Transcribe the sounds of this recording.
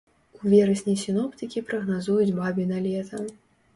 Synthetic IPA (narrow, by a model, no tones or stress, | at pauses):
uvʲɛɾɐsʲnʲijsʲinɔpt̪ɨkʲipɾɐɣnazujud͡zʲbabʲinalʲɛt̪ʰɐ